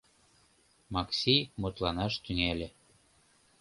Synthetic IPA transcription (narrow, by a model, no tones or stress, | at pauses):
mɑksʲijmot̪lɑnɑʃt̪yŋelʲĕ